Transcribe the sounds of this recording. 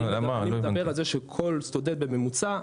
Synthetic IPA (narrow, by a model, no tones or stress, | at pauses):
lamaied̪abeʁalzeʃekʰo̞lst̪oded̪̚beme̞mut͡sa